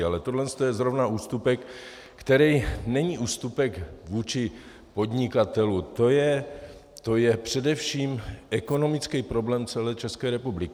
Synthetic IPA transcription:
alɛt̪odlɛnst̪ojɛzɾo̞vnaʔuːst̪upɛkː | t̪ɛɾɛjnɛɲiːʔuːst̪upɛkvuːt͡ʃɪ | po̞d̪ɲɪkat̪ɛlut̪o̞jɛ | t̪o̞jɛpr̝̥ɛdɛfʃiːmɛko̞no̞mɪt͡skɛjpɾo̞blɛːmt͡sɛlɛːt͡ʃɛskɛːɾɛpublɪkɪ

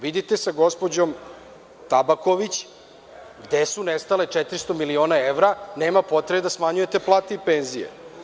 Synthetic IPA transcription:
ʋid̪it̪e̞saɡo̞spod͡ʑo̞m | t̪abako̞ʋit͡ɕ | ɡd̪esunest̪ale̞t͡ʂɛt̪ɾist̪o̞milio̞ːnaeʋɾane̞ːmapo̞t̪ɾebed̪asmaɲujet̪e̞plˠaːt̪eipenzijḛ

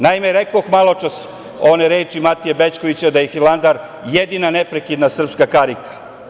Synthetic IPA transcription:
najimeɾekoxmalˠot͡ʂas | o̞neɾeːt͡ʃimat̪ijebet͡ʃko̞ʋit͡ɕad̪ajexilˠand̪aɾ | jed̪inanepɾekid̪nasr̩pskakaɾikḁ

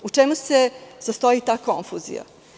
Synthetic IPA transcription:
ut͡ʂemusezast̪o̞it̪aːko̞ɱfuːzḭja̰

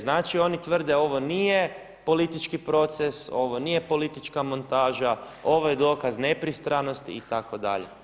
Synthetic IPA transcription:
znaːt͡ʃio̞nit̪ʋr̩d̪eo̞ʋo̞niːje | po̞lit̪it͡ʃkipɾo̞t̪seso̞ʋoniːje̞po̞lit̪it͡ʃkamo̞nt̪aːʒa | o̞ʋojed̪o̞ːkazne̞pɾist̪ɾano̞st̪ḭːt̪ako̞d̪a̰ʎḛ

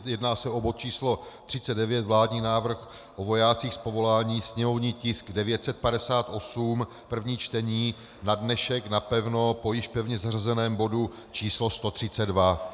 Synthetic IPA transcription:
jɛdnaːsɛo̞bot̪̚t͡ʃiːslo̞t̪r̥ɪt͡sɛdɛvjɛt̪vlaːdɲiːnaːvr̩x | ʔovo̞jaːt͡siːxspo̞vo̞laːɲiːsɲɛmo̞vɲiːcɪsɡdɛvjɛt̪sɛt̪̚padɛsaːt̪ʔo̞sum | pr̩vɲiːt͡ʃt̪ɛɲiː | nadnɛʃɛknapɛvno̞po̞jɪʃpɛvɲɛzarazɛnɛːmbo̞du | t͡ʃiːslost̪o̞t̪r̥ɪt͡sɛdva

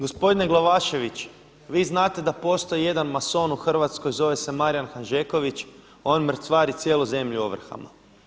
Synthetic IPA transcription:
ɡo̞spo̞d̪ine̞ɡlˠoʋaʃe̞ʋit͡ɕ | ʋiːznaːt̪e̞d̪apo̞st̪o̞ije̞d̪anmaso̞nuxr̩ʋat̪sko̞jzo̞ʋe̞se̞maɾijanxanʒeko̞ʋit͡ɕ | o̞nmr̩sʋaːɾit̪sje̞ːluze̞mʎuoʋr̩xa̰ma̰

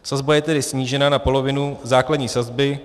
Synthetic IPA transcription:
sazbajɛt̪ɛdɪsɲiːʒɛnanapo̞lo̞vɪnuzaːkladɲiːsazbɪ

